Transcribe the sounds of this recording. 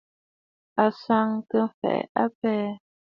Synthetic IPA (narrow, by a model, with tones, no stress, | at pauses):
a˨sa˦ŋ˦kə˦fɛ̰˨ʔɛ̰˨ʔa˦pɛː˦